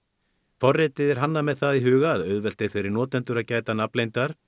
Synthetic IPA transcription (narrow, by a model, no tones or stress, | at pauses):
fɔrːɪt̪ɪðɛɾ̥ɦanːamɛðθaðiɦʏːɣaðœɥðvɛl̥t̪ɪfɪɾɪɾnɔːt̪ɛnt̪ʏɾaðcaːjt̪anaplejnt̪aɾ̥